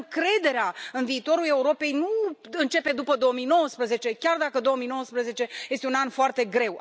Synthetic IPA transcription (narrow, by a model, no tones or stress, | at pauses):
ŋkɾe̞d̪e̞ɾeaɨnviːt̪o̞ɾule̞uɾo̞pe̞jnuɨnt͡ʃe̞pe̞d̪upəd̪o̞omijno̞wəspɾəze̞t͡ʃe̞kʲard̪akəd̪o̞omijno̞wəspɾəze̞t͡ʃe̞je̞st̪eunanfoart̪e̞ɡɾe̞w